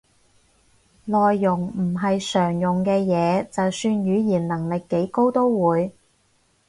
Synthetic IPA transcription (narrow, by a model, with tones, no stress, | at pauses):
lɔː˨jːʊ˨˩ŋm̩˨˩ɦɐ˨jsœː˨˩ŋjʊ˨ŋkɛː˧jɛː˨˧t͡sɐ˨wsyː˧njyː˨˧˥jiː˨˩nnɐ˨˩ŋlɪ˨kːe˨˥jko˥wt̪o˥wwuː˨˧j